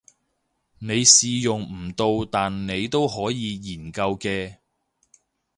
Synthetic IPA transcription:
ne˨˧jsiː˨jʊ˨˩ŋm̩˨˩t̪o˧wt̪aː˨nne˨˧jt̪o˥wɦɔː˨˥jiː˨˧jiː˨˩nkɐ˧wkɛː˧

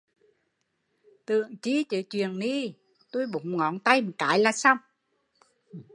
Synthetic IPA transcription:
t̪ɨ̰˧˨əŋt͡ɕi˧˦t͡ɕəː˨˦t͡ɕwi˨˩ənɗi˧ | t̪o˧jɓu˨˦ŋ͡mŋɔ˨˦nt̪a˧jmə˨˩t̚kaː˨˦jlaː˨˩sa˧wŋ͡m

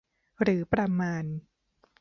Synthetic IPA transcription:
ɾɯː˩˦pɾa˧maː˧n

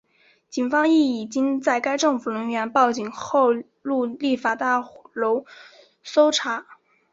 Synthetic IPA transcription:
t͡ɕi˨˩nfɑ˥ŋi˥˩i˨˩t͡ɕi˥ŋt͡sa˥˩ɪka˥ɪʈ͡ʂɤ˥˩ŋfu˨˩lə˧˥ŋɥɛ˧˥npɑ˥˩ʊt͡ɕi˨˩ŋxo˥˧ʊ | lu˥˧li˥˩fa˨˩t̪a˥˩lo˧˥ʊ | so˥ʊʈ͡ʂʰa˨˧˥

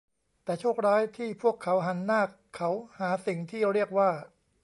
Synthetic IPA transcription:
t̪ɛː˨˩t͡ɕʰuː˥˩k̚ɾaː˦˥jt̪ʰiː˥˩pʰu˥˩əkʰːa˩˦˥wɦa˩˦nːaː˥˩kʰːa˦˥whaː˩˦si˨˩ŋt̪ʰiː˥˩ɾi˥˩ək̚waː˥˩

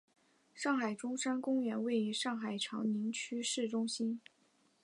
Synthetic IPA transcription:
ʂɑ˥˩ŋxa˨˩ɪʈ͡ʂʊ˥ŋʂa˥nkʊ˥ŋɥɛ˧˥nwe˥˩ɪy˧˥ʂɑ˥˩ŋxa˨˩ɪʈ͡ʂʰɑ˧˥ŋni˧˥ŋt͡ɕʰy˥ʂɻ̩˥˩ʈ͡ʂʊ˥ŋɕi˥n

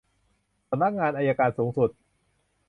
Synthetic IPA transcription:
sa˧mna˦˥k̚ŋaː˧nʔaː˧jaː˧kaː˧nsuː˩˦ŋsu˨˩t̪̚

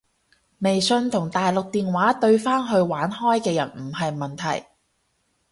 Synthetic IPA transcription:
me˨jsɵ˧nt̪ʰʊ˨˩ŋt̪aː˨jlʊ˨k̚t̪iː˨nwaː˨˥t̪ɵ˧ɥfaː˥nɦɵ˧ɥwaː˨˥nhɔː˥jkɛː˧jɐ˨˩nm̩˨˩hɐ˨jmɐ˨nt̪ʰɐ̰˨˩j

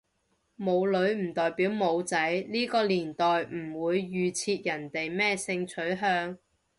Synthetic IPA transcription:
mo˨˧wlɵ˨˧ɥm̩˨˩t̪ɔː˨jpiː˨˥wmo˨˧wt͡sɐ˨˥jliː˥kɔː˧liː˨˩nt̪ɔː˨jm̩˨˩wuː˨˧jːyː˨˧t͡sʰiː˧t̚jɐ˨˩nt̪e˨jmɛː˥sɪ˧ŋt͡sʰɵ˨˥ɥɦœː˧ŋ

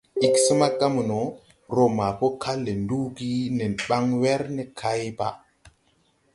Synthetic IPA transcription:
i˨ksə˦ma˦ɡa˦mu˨no˨˦ | ɾo˨ma˨po˦kʰa˦lːe˨ndu˦ɡi˦ne˨nɓa˦ŋwɛ˦ɾne˨kʰa˦jba̰˨

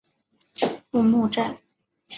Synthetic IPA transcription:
pu˥˧mu˥˧ʈ͡ʂa˥˩n

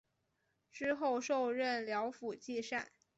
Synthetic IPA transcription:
ʈ͡ʂɻ̩˥xo˥˧ʊʂo˥˧ʊɻə˥˩nljɑ˧˥ʊfu˨˩t͡ɕi˥˧ʂa˥˩n

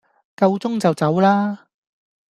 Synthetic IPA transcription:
kɐ˧wt͡sʊ˥ŋt͡sɐ˨wt͡sɐ˨˥wlaː˥

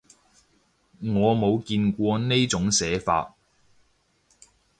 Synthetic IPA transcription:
ŋɔː˨˧mo˨˧wkiː˧nkʷɔː˧ne˥jt͡sʊ˨˥ŋsɛː˨˥fa̰ː˧t̚

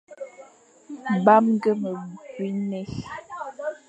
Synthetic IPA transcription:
ba˦mŋ˦ɡə˦mə˨ɡwi˦nɛ˦

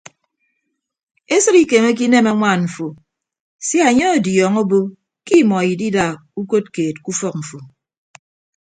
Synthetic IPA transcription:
e˦sɨ˦ɾi˦ke˨me˦k̬i˦ne˦ma˦ŋʷa˦˨nɱ̩˨fo˨ | sja˨ɲe˦o˨djɔ˨ŋo˦bo˦ | ki˦˨mɔ˨ji˨di˦da˨ | u˦ko˦t̚keː˨t̚ku˦fɔ˦k̚ɱ̩˨fo˨

